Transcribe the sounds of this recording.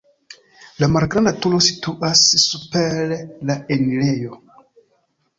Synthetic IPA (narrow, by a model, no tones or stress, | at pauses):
lamalɡɾandatulosi̥tuʔasːupeɾlaenilejo